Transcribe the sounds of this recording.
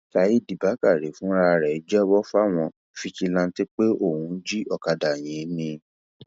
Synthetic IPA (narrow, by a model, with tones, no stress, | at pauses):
ka˨ji˦˨di˨ba˨˦ka˦˨ɾe˨fũ˨˦ɾa˧ɾɛ˨i˨˦d͡ʒɛ˦wɔ˦fa˦˨w̃ɔ̃˧ | fi˧t͡ʃi˧lã˧n̩˦ti˦k͡pe˦o˦˨hũ˨˦d͡ʒi˦ɔ˧ka˧da˨j̃ĩ˨˦nĩ˧